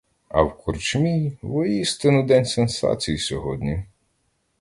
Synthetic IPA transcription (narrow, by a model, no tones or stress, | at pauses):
ɐ̰wkʊrt͡ʃmʲijʋɔjist̪enʊd̪ɛnʲsensɑ̰t͡sʲijisʲɔɦɔd̪ʲnʲi